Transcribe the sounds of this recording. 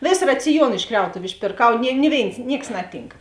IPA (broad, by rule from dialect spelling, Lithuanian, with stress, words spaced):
ˈʋʲeːs rɐt͡sʲɪˈjuɔn ɪʃ ˈkrʲɛʊtʊʋʲʊ ɪʃʲpʲeːrˈkɐʊ nʲɪ ˈnʲɪ ˌʋʲeːɪns ˈnʲiɛks ˈnɑːˌtʲiːŋk